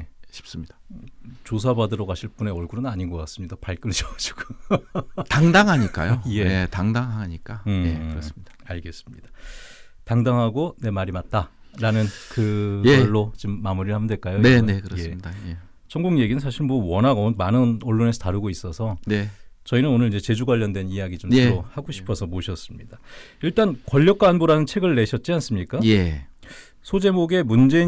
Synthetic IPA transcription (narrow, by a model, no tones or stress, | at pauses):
eɕʰi̥p̚s͈ɯmɲid̥ḁt͡ɕos̬ʰabadɯɾʌɡaɕʰiɭp͈une̞ʌɭɡuɾɯnaɲiɡʌk͈as͈ɯmɲidapaɭk͈ɯɭd͡ʑʌɡd͡ʑi̥ɡ̥o | taŋdaŋɦaɲik͈a̰joje̞etaŋdaŋɦaɲik͈aeɯɾʌs͈ɯmɲid̥aaɭɡe̞s͈ɯ̥mɲid̥ḁ | taŋdaŋɦaɡone̞maɾimat̚t͈a | ɾanɯnkɯɯɭːot͡ɕimːamuɾiɭhamdwe̞ɭk͈ajoeekje | t͡ɕʰʌŋɡuŋje̞ɡinɯnsʰaɕʰiɭmowʌnaɡʌmanɯnʌɭːone̞sʰʌtaɾɯɡois͈ʌsʰʌnet͡ɕʌinɯnonɯɾid͡ʑe̞t͡ɕe̞d͡ʑuɡwaʎːʌndwe̞nijaɡit͡ɕomsʌɾohaɡoɕʰi̥pʰʌsʰʌmoɕʰʌs͈ɯmɲḭd̥a | iɭt͈ankʌʎːʌk͈aɦːnboɾanɯnt͡ɕʰe̞ɡɯɭːe̞ɕʰʌt̚t͡ɕ͈ians͈ɯmɲik͈aje | sʰod͡ʑe̞moɡe̞mund͡ʑe̞i